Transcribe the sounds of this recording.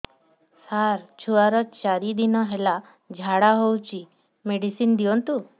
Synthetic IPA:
saɾt͡ʃʰuaɾɔt͡ʃaɾid̪inɔɦela | d͡ʒʱaɽaɦowt͡ʃi | meɽisind̪iɔnt̪u

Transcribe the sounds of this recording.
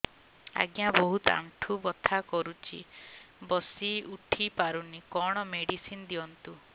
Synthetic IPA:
a̰ɡjabɔɦut̪a̰ɳʈʰubɔt̪ʰakɔɾut͡ʃʰḭbɔsiuʈʰipaɾunikɔɽ̃ɔmeɽisind̪iɔnt̪u

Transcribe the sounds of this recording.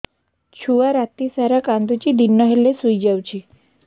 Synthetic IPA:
t͡ɕʰuʋaɾat̪isaɾakãnd̪ut͡ɕid̪inːəɦelesujd͡ʑawt͡ɕi

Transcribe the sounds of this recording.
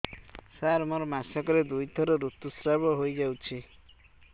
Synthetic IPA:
saɾmɔɾɔmasɔkɔɾed̪ujt̪ʰɔɾɔɾut̪ːusɾabɔɦojd͡ʒawt͡ʃʰi

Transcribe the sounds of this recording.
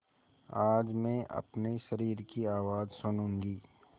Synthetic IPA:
aːd͡ʒmẽʔɐ̰pneʃɐɾiːɾkiaːʋaːd͡ʒsʊnũːŋɡiː

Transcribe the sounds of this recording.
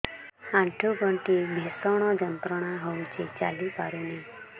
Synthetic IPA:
hãʈʰubəɳʈibʱesɔɽ̃ɔd͡ʒənt̪ɾəɽ̃aɦout͡ʃʰet͡ʃalipaɾune

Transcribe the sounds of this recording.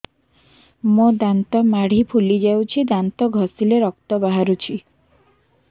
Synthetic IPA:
mod̪ant̪ɔmaɽ̤ipʰulid͡ʒawt͡ʃʰid̪ant̪ɔɡʱɔsileɾɔk̚t̪ɔbaɦaɾut͡ʃʰi

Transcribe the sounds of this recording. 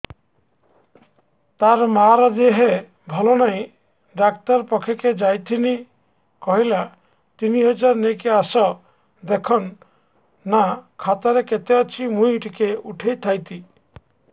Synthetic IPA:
t̪aɾmaɾɔd̪eɦe | bʱɔlonaj̃ | ɖakt̪ɔɾpɔkʰeked͡ʒajt̪ʰini | kɔɦila | t̪iniɦɔd͡ʒaɾnekeasɔ | d̪ekʰɔnː | akʰat̪ɔɾeket̪eɔt͡ʃʰimujʈikeuʈʰejt̪ʰajt̪i

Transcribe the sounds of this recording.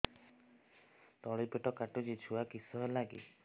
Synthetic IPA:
t̪ɔɭipeʈɔkaʈud͡ʒit͡ʃʰuwakisɔɦelaɡḭ

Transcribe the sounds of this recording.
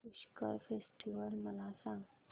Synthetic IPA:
uɕkə̰ɾfesʈiʋəlməlasãŋɡ

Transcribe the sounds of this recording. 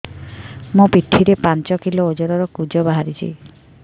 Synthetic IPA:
mũpiʈʰːiɾepant͡ʃɔkiloːd͡ʒɔɾɔɾɔkud͡ʒɔbaɦaɾit͡ʃʰḭ

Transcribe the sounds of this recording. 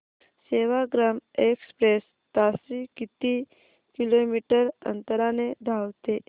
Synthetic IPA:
seʋaɡɾamekspɾes | t̪asikit̪i | kilomiʈəɾə̰nt̪əɾaneɖ̪ʱawt̪e

